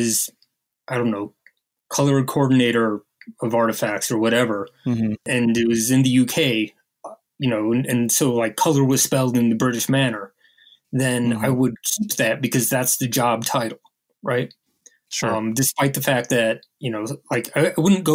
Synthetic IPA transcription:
ɪz̥ | aɪɾõʊ̃nːoʊ | kʰʌlˠə˞ɨkʰɔɹdⁿn̩eɪɾə˞ | ʌvɑɹɾɨfæk̚tsə˞wʌɾɛvə˞ɨ̃nɨt̚wʌzɨ̃nðɨjʉkʰeɪ | jɨnoʊə̃nɨ̃nsoʊlaɪkʰʌlˠə˞wʌz̥spɛlˠdɨ̃nðɨbɹɪɾɨʃmænə˞ | ðɨ̃naɪwəd̚kʰip̚ðɨt̚b̥ɨkʰʌzðætsðɨd͡ʒɑb̚tʰaɪɾl̩ˠ | ɹaɪt̚ | ʌ̃mdɨspaɪt̪̚ðɨfæk̚ðɨt̚ | jɨnoʊlaɪkaɪaɪwʊdⁿn̩ɡ̥oʊ

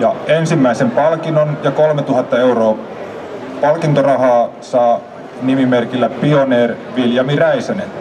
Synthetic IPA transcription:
jɑensimːæisempɑlkinonjɑkolmet̪uɦɑt̪ːɑeuroː | pɑlkint̪orɑɦɑː | sɑː | nimimerkilːæpioneːrʋiljɑmiræisænen

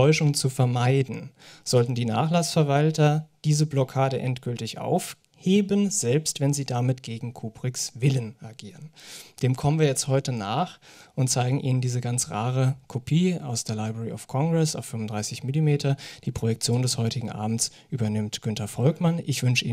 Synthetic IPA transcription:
ɔʏʃʊŋt͡sufɛɐmaɪdn̩z̥ɔltn̩diːna̰ːχlasfɛɐvaltɐd̥iːzəblɔkʰaːɾəʔɛntɡ̥ʏltɪçʔa̰ʊf | heːbənz̥ɛlpstv̥ɛnziːdamɪtɡ̥eːɡŋ̩kʰuːpʁ̥ɪksvɪlənʔaɡiːʁənd̥eːmkʰɔmənviːɐjɛt͡sthɔʏtənaːχʊnt̚t͡saɪɡŋ̩ʔiːnəndiːzəɡant͡sʁaːʁəkʰopʰiːa̰ʊsd̥eːɐlaɪbʁɛʁiʔa̰ʊfkʰɔŋɡʁɛsaʊfːʏmvʊndʁaɪsɪçmilimeːtʰɐd̥iːpʁ̥ojɛk̚t͡sjoːndɛshɔʏtɪɡŋ̩ʔa̰ːbm̩t͡sʔyːbɐnɪmtɡ̥ʏntʰɐfɔlkmanʔɪçv̥ʏnʃəʔḭː

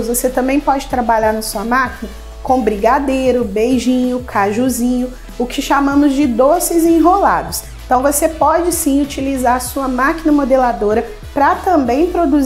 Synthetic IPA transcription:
zvoset̪ɐ̃mbẽj̃pɔd͡ʒɪt̪ɾabaʎaɾnɐsuɐmakinɐ | kõbɾiɡad̪ejɾʊbejʒĩɲʊkʰaʒuzĩɲʊ | ʊkɪʃamɐ̃mʊzd͡ʒɪd̪osɪzẽɦola̰d̪ʊs | t̪ɐ̃w̃vosepɔd͡ʒɪsĩut͡ʃilizaɾsuɐmakinɐmod̪elad̪oɾɐ | pɾɐt̪ɐ̃bẽj̃pɾod̪uz

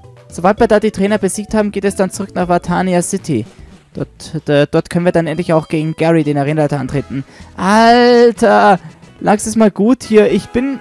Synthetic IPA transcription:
z̥obaltv̥iːɐdaːdiːtʁ̥ɛːnɐbəziːk̚thaːbm̩ɡeːtɛsd̥ant͡suʁʏknaːχv̥atʰaːniasɪtʰid̥ɔtɛd̥ɔɐtkʰœnənviːɐdanʔɛntlɪçaʊxɡ̥eːɡŋ̩ɡ̥ɛʁideːnɛʁeːnatɐʔantʁ̥eːtn̩ʔaltʰɐlʔaːksdɛsmaːlɡuːthiːɐɪçb̥ɪn

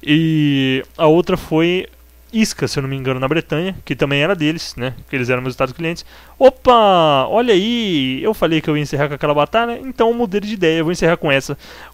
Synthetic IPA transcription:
ɪ | ɐowt̪ɾɐfoj | iskɐsewnɐ̃mĩŋɡɐ̃nʊnɐbɾet̪ɐ̃ɲɐkɪt̪ɐ̃mbẽj̃ɛɾɐd̪elɪsnɛkɪelɪzɛɾɐ̃hezut̪ad̪ʊskliẽnt͡ʃɪ̥s | opɐɔʎɐiewfalejkɪewiɐẽseɦakõɐkɛlɐbat̪aʎɐʔḛ̃t̪ɐ̃w̃mud̪eɾd͡ʒɪid̪ɛjɐewvowẽseɦaɾkõɛsɐ

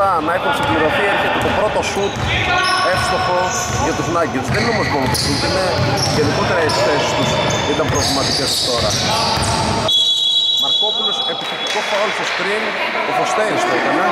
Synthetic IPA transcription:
ɐnɐexunsiɡbliɾo̞θiɐɾçet̪et̪o̞pɾo̞t̪o̞sut̪ | e̞xi̥st̪opo̞ | ʝɐt̪uznɐʝiuzðenineo̞mo̞zmo̞not̪osut̪ine | ʝeniko̞t̪eɾɐekθe̞si̥st̪us | it̪ɐmpɾovlimɐt̪ice̞st̪o̞ɾɐ | mɐɾko̞pulo̞se̞piθet̪ikosɾolfoskɾin | ofost̪e̞ɾist̪oit̪ɐne

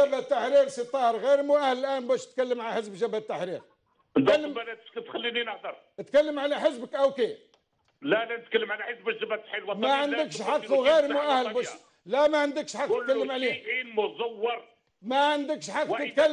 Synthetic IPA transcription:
æbæt̪ːaħɾiɾsit̪ˤːɑɾˤɣiɾmuʔæhləlʔænbæʃt̪kælːəmʕaħəsbʒæbæt̪ːaħɾḭɾ | d̪ælːəmælæt̪xælːininəħd̪ɑɾˤ | ət̪kælːəmʕaliħəsbəkʔæwke | lælænət̪̚kælːəmʕalæħəsbəʒæbæt̪ːħilwɑmæʕənəkʃħɑqːuɣiɾmuʔæhlbæʃ | læmæʕənd̪əkʃħɑqːtt̪̚kællːəmʕaliinmʊzɑwːɑɾˤ | mæʕənd̪əkʃħɑqːət̪kælː

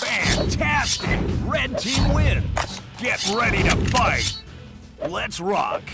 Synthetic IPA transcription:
fæ̃ntʰæstɪkɹɛ̃d̚tʰiwɪ̃nz̥ɡ̥ɛt̚ɹɛɾiɾɨfaɪt̚ | lɨtsɹɑ̰k

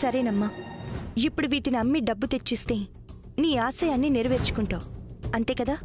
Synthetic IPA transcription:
sɐɾeːnɐmːaː | ipːuɽuʋiːʈinɐɐmːiɖɐbːut̪e̞t͡ʃːist̪e̞ː | niːaːsɐjaːnːiːneɾɐʋeɾt͡ʃu̥kuɳʈaːwɐnt̪e̞ːkɐd̪aː

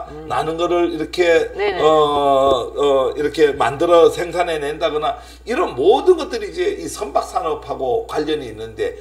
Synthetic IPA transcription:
nanɯnɡʌɾɯɭiɾʌkʰe̞ʌ | ʌiɾʌkʰe̞ma̰ndɯɾʌsʰe̞ŋsʰane̞nendaɡʌna | iɾʌnmodɯnɡʌt͈̚ɯɾiːd͡ʑe̞isʰʌmbak̚s͈anʌpʰaɡokwaʎːʌɲiːnːɯnde̞

